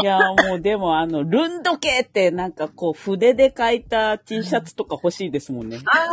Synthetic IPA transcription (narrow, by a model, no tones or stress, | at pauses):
jamo̞ːd̪e̞mo̞ano̞ɾɯ̟̃nd̪o̞ke̞ːt̪ːe̞nãŋkako̞ːɸɯ̟d̪e̞d̪e̞kait̪at̪ʲiːɕat͡sɨ̥t̪o̞kaho̞ɕiːd̪e̞sɨmõ̞nːe